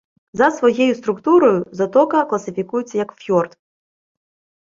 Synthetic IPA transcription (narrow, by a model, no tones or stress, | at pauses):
zɐsvɔjɛjust̪ɾukt̪uɾɔjuzɐt̪ɔkɐklˠɐsɨfʲikujut͡sʲːɐjɐkfʲjɔrt̪